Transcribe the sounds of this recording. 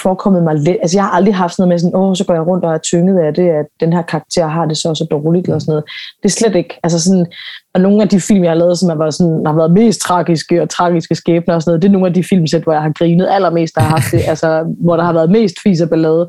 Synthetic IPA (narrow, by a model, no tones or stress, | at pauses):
fɒːkʰɒ̽mð̩ˠmɑ̈ɪled̥æls̬əjɑ̈hɑ̈ʔɑ̈ld̥ʁiɦɑfd̥noðˠmes̬ɔ̽nɔːsɒ̽ɡ̥ɒ̰ːjɑ̈ɪʁɔ̽n̰d̥ɒæɐt͡sʰøŋəð̞̩ˠæd̥e̝æd̥enɦæɐ̰kʰɑ̈ɑ̈ɡ̥̚t͡sʰe̝̰ɐ̰ɦɑ̈d̥e̝sɒsɒd̥ɒːlid̥elɐsɔnɔð̩ˠd̥e̝æɐsled̥e̝ɡ̥ælsəs̬ɒ̽nɑno̝ːn̩æd̥ifil̰mjɑhɑlɛːð̞̩ˠsɒ̽mjɑʋɑsɒ̽nhɑ̈ʋæːɐð̞̩ˠme̝̰ːsd̥̚t͡sʰʁɑ̈ːɡ̥isɡ̥əɒ̽t͡sʰʁɑ̈ːɡ̥isɡ̥əsɡ̥ɛːb̥nɐɒ̽s̬nɔð̩ˠd̥e̝æno̝ːn̩æd̥ifil̰msed̥ʋɒjɑ̈ɪhɑ̈ɡ̥ʁiːnəð̞̩ˠæl̰ɐme̝̰ːsd̥ɑhɑ̈hɑ̈fd̥e̝ʔælsɒʋɒɾ̥ɑ̈hɑ̈ʋæːɐð̞̩ˠme̝̰ːsd̥fiːs̬æb̥ælɛːð̞ˠə